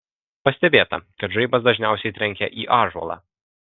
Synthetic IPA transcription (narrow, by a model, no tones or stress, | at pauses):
pɐsʲt̪ʲɛbʲeːt̪ɐ̰kɐt̪ʒɐɪbɐsd̪ɐʒʲnʲæˑʊsʲɛɪt̪ʲɾʲɛŋʲkʲɛ̰ʔiːʔɑːʒɔ̰lˠɑ̰ː